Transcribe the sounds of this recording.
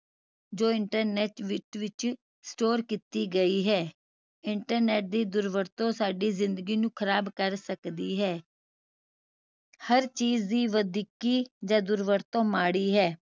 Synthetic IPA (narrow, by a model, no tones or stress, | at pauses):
d͡ʒoːɪɳʈəɾnɛːʈʋɪʈʋɪt͡ʃ | sʈoːɾkiːt̪iːɡəiːɦɛː | ɪɳʈəɾnɛːʈ̚d̪iːd̪ʊɾʋəɾt̪õːsaːɖiːzɪ̃nd̪əɡiːnũːkʰəɾaːbkəɾsəkd̪iːɦɛː | həɾt͡ʃiːzd̪iːʋəd̪ikiːd͡ʒãːd̪ʊɾʋəɾt̪õːmaːɽiːɦɛː